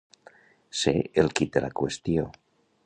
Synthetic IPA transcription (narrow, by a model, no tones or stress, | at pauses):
sḛelkit̪elakwest̪jo